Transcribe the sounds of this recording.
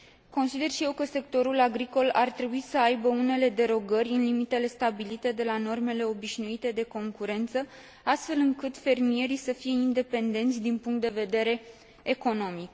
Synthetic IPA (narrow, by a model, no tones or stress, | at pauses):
ko̞nsid̪e̞rʃije̞wkəse̞k̚t̪o̞ɾulaɡɾiko̞lʔart̪ɾe̞buisəajbəune̞le̞d̪e̞ɾo̞ɡərʲɨnlimit̪e̞le̞st̪abilit̪e̞d̪e̞lano̞rme̞le̞o̞biʃnuit̪e̞d̪e̞ko̞ŋkuɾe̞nt̪sə | ast̪fe̞lɨŋkɨt̪fe̞rmie̞ɾisəfije̞ind̪e̞pe̞nd̪e̞nt̪sʲd̪inpuŋk̚t̪d̪e̞ve̞d̪e̞ɾe̞ː | ko̞no̞mik